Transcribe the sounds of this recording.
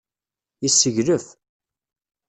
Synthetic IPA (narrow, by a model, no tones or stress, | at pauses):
isːəʝɾəf